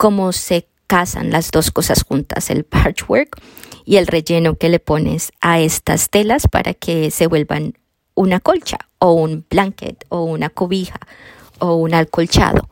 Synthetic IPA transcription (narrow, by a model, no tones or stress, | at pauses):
ko̞mo̞se̞ | kasa̰nlazðo̞sko̞sasxunt̪ase̞̰lpaɾt͡ʃweɾkie̞lre̞ʝe̞no̞ke̞le̞po̞ne̞̰sae̞st̪a̰st̪e̞laspa̰ɾʔa̰kʰe̞se̞βwe̞lba̰n | unako̞lt͡ʃaoumb̥laŋkḛt̪ounakoβixa | ounalko̞lt͡ʃa̰ðo̞̰